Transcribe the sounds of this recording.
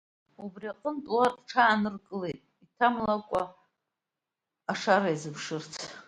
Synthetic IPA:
ubriaqʼəntʼwarʈ͡ʂʰaːnɨrkʼɨle̞jtʼitʰamlakʷʼa | aʂaɾajzɨpʰʂɨrt͡sʰ

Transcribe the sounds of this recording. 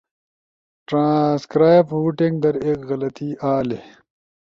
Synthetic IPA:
ʈɾãːskɾaːjbhuːʈeŋɡd̪ɐɾeːkɣɐlɐt̪iaːle

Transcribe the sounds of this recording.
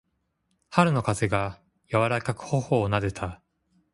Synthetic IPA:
haɾɯ̟no̞kaze̞ɡa | jaβaɾakakɯ̟̥ho̞ho̞ːnad̪e̞t̪ʰa

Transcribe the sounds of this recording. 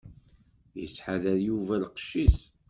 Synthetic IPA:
jə̰t͡sːħaðæɾjuvælqə̥ʃːiθ

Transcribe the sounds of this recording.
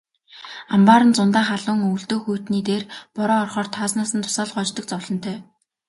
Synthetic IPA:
ampaːɾə̆nt͡sʊnt̪aːχaɮʊːŋɵwɬt̪oːxuːjʰt̪niːt̪eːrpɔɾɔːrχɔːrt̪ʰaːsnaːsə̆nt̪ʰʊ̥saːɮɢɔt͡ɕt̪ɞ̆k̚t͡sɔwɮɞ̆n̥t̪ʰœː

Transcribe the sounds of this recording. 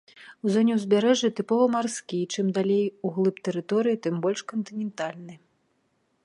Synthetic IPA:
wzɔnʲɛwzʲbʲaɾɛʐɨt̪ɨpɔvɐmarsʲkʲit͡ʂɨmd̪alʲejuɣlˠɨpt̪ɛɾɨt̪ɔɾɨjit̪ɨmbɔlʲʂkɔnt̪ɨnʲɛnt̪alʲnɨ

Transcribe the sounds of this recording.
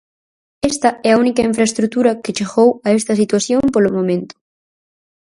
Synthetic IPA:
est̪ɐɛɐunikɐiɱfɾɐest̪ɾut̪uɾɐkɪt͡ʃeɣowɐest̪ɐsit̪waθjompolʊmõmẽnt̪ʊ̥

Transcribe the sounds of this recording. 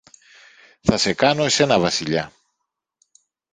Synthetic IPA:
θɐse̞kɐno̞se̞nɐvɐsiʎɐ

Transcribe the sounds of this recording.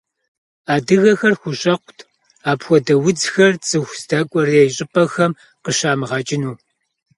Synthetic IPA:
aːdɨɣɐxɐrxʷʊɕʼɐqʷʊtʰ | aːpxʷɔdɐwʊd͡zxɐrt͡sʼɨxʷsdɐkʷʼɔrejɕʼɪpʼɐxɐm | qəɕaːmɨʁɑːt͡ʃʼɪnuː

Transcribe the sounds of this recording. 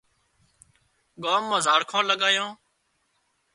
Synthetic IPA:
ɠaːmːãːzaːɽkʰãːləɠaːjãː

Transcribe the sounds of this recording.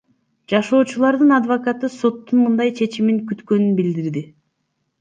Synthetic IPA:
d͡ʒɑʃo̞ːt͡ʃulˠɑɾd̪ɯnɑd̪vokɑt̪ɯso̞t̪ːunmɯnd̪ɑjt͡ʃʰe̞t͡ʃimiŋkyt̪kø̞nynbild̪iɾd̪i

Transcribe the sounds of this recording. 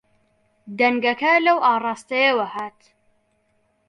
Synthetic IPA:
d̪ɐŋɡɐkɐlɐwʔaːrˤɑːst̪ɐjɐwɐhaːt̪

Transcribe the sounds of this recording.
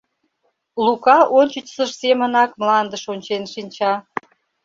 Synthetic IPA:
lukɑʔonʲt͡ɕət͡ɕsəʃsemənɑkmlˠɑnd̪əʃonʲt͡ɕenʃinʲt͡ɕɑ

